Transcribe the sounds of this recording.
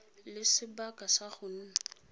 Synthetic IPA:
lɪsɪbakʼasaχʊn̩ː

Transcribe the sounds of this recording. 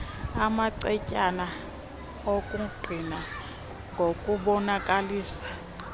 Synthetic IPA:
amaǀɛcʼana | okʼuɡ͡ǀʱina | ŋɡʱokʼuɓɔnakʼaliːsḁ

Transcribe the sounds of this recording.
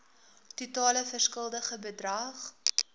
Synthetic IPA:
tutɑːləfərskəlˠdəχəbədrɐχ

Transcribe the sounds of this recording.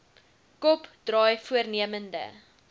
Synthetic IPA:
kɔpd̥rɑːjfuərniəməndə̰

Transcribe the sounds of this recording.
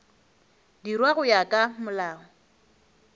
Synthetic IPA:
dirwaɣʊjakʼamʊlaːɔ

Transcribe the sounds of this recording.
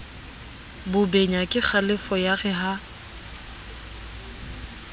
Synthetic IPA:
bʊbeɲakʼɪk͡xʰalɪfɔjaɣɛɦa

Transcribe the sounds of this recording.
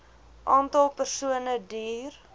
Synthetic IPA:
ʔɑːntɐlˠpərsuənədiːr

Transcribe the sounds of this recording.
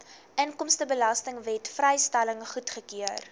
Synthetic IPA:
ʔəŋkɔmstəbəlɐstəŋvɛtfrɛjstɛləŋχutχəkiər

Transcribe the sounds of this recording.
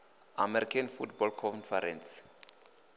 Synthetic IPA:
amɛɾikʰanfutbɔlkʰɔ̃nfɛɾɛ̃ns

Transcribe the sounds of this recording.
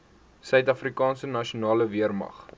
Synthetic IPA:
sœɥtɐfrikɑːnsənɐʃiunɑːləviərmɐ̰χ

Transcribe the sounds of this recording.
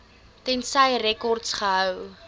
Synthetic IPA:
tɛnsɐjrɛkɔrtsχəɦəw

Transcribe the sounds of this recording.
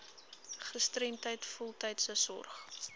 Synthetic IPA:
χəstremtəjtfɔlˠtɛjtsəsɔ̰rχ

